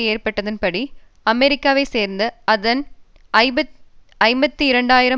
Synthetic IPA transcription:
eːrpɐʈːɐðɪnpɐɽi | ɐmɛɾɪkːaːʋɐɪseːɾnd̪ɯɐðɐn | ʔɐɪ | ɐɪmbɐt̪ːɯɪɾɐɳɖaːjɪɾɐ

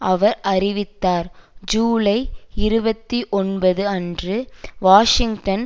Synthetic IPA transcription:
ɐʋɐɾɐɾɪʋɪt̪ːaːɾd͡ʒuːlɐɪɪɾɯbɐt̪ːiʔɔnbɐðɯɐndrɯʋaːʂɪŋɡʈɐn

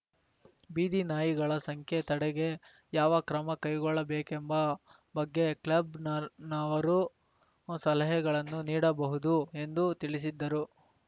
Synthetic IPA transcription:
biːd̪inaːjiɡɐɭɐsɐŋkʰje̞t̪ɐɽɛɡe̞ | jaːʋɐkɾɐmɐkɐjɡɔɭːɐbeːkembɐ | bɐɡːeklɐbnnaʋɐɾu | sɐlɐɦɛɡɐɭɐnːuniːɽɐbɐɦud̪ue̞nd̪ut̪iɭis̬id̪ːɐɾu

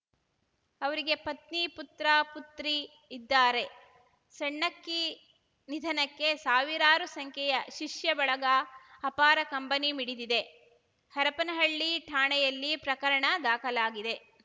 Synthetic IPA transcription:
ɐʋɐɾiɡe̞pɐt̪̚niput̪ɾɐput̪ɾiː | d̪ːaːɾe̞ | sɐɳːɐkːi | nid̪ʱɐnɐkːe̞saːʋiɾaːɾusɐŋkʰɛjɐʃiʂjɐbɐɭɐɡɐːpaːɾɐkɐmpɐnimiɽid̪id̪e̞ | hɐɾɐpɐnɐɦɐɭːiʈʰaːɳɛjɐlːipɾɐkɐɾɐɳɐd̪aːkʰɐlaːɡid̪e̞

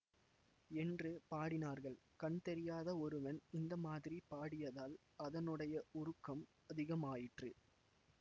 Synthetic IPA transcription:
ɛndrɯpaːɽɪnaːɾɣɐɭkɐɳt̪ɛɾɪjaːðɐɔɾɯʋɐnɪnd̪ɐmaːðɪɾipaːɽɪjɐðaːl | ɐðɐnɯɽɐjɐʊɾɯkːɐm | ɐðɪɣɐmaːjɪʈrɯ

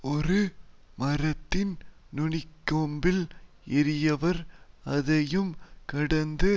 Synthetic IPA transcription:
ɔɾɯ | mɐɾɐt̪ːɪn | nʊɳɪkːoːmbɪl | ɛɾɪjɐʋɐɾ | ɐðɐjɯmkɐɽɐnd̪ɯ

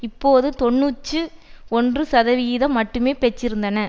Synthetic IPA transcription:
ɪpːoːðɯt̪ɔɳːuːt͡ʃːɯɔndrɯsɐðɐʋɪjɪðɐ̃mɐʈːɯmeːpɛt͡ʃːɪɾɯnd̪ɐnɐ

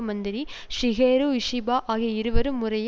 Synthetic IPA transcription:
mɐnd̪ɪɾi | ʂɪɣeːɾuʋɪʂibaːʔaːɣiɐɪɾɯʋɐɾɯmːʊrɐj

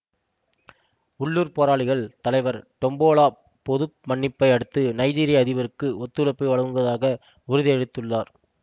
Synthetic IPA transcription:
ʊɭːuːɾpoːɾaːɭɪɣɐɭt̪ɐlɐɪʋɐɾʈɔmboːɭaː | pɔðɯp̚mɐɳːɪpːɐɪɐɽɯt̪ːɯnɐɪd͡ʒiːɾɪjaːðɪʋɐɾɯkːɯɔt̪ːɯlɐpːɯʋɐɭɐŋɡɯɐðaːɣɐ | ʊɾɯðɪɛɽɯt̪ːɯɭːaːɾ

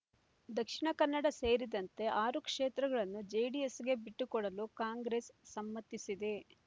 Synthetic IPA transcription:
d̪ɐkʂiɳɐkɐnːɐɽɐse̞ːɾid̪ɐnt̪e̞ʔaːɾukʂeːt̪ɾɐɡɐɭɐnːud͡ʒeːɖijesɡe̞biʈːukɔɽɐlukaːŋɡɾesːɐmːɐt̪ːisid̪e̞

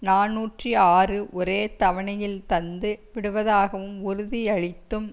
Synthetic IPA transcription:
naːnuːʈriaːrɯʔɔɾeːt̪ɐʋɐɳɐjɪlt̪ɐnd̪ɯʋɪɽɯʋɐðaːɣɐʋɯmʊɾʊðiɐɻɪt̪ːɯm

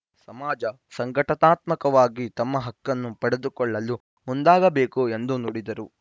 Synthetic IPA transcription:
sɐmaːd͡ʒɐ | sɐŋɡɐʈɐt̪aːt̪mɐkɐʋaːɡit̪ɐmːɐɦɐkːɐnːupɐɽed̪ukɔɭːɐlːu | mund̪aːɡɐbeːkue̞nd̪unuɽid̪ɐɾu

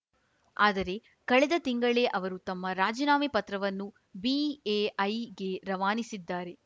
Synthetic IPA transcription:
aːd̪ɐɾe̞ | kɐɭɛd̪ɐt̪iŋɡɐɭe̞ʔɐʋɐɾut̪ɐmːɐɾaːd͡ʒɐnaːmipɐt̪ɾɐʋɐnːu | bieɐjɡe̞ɾɐʋaːnisid̪ːaːɾe̞

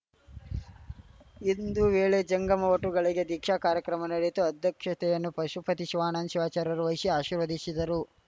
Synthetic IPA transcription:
ind̪uʋeːɭed͡ʒɐŋɡɐmɐʋɐʈuɡɐɭiɡe̞d̪ikʃakaːɾjɐkɾɐmɐnɐɽit̪uɐd̪ʱjɐkʂɐt̪ɛjɐnːupɐʃupɐt̪iʃʋaːnaːnʃiʋaːt͡ʃaːɾɐɾuʋɐjsjɐaːʃiːɾʋɐd̪isid̪ɐɾu

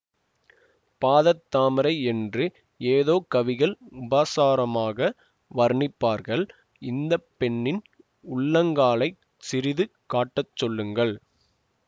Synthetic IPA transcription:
paːðɐt̪ːaːmɪɾɐɪɛndrɯ | eːðoːkɐʋɪɣɐɭʊbaːsaːɾɐmaːɣɐ | ʋɐɾɳɪpːaːɾɣɐɭ | ɪnd̪ɐpːɛɳːɪn | ʊɭːɐŋɡaːɭɐɪ | sɪɾɪðɯkaːʈːɐt͡ʃːɔlːɯŋɡɐɭ

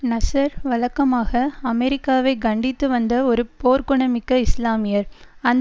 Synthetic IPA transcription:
nɐsɐɾʋɐlɐkːɐmaːɣɐɐmɛɾɪkːaːʋɐɪɡɐɳɖɪt̪ːɯʋɐnd̪ɐɔɾɯpoːɾkɯɳɐmɪkːɐɪslaːmɪjɐɾɐn

